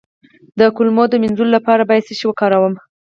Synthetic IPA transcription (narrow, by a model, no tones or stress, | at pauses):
d̪əkʊlmod̪əmɪnzulolapɑɾabɑjad̪seʃewəkɑɾawəm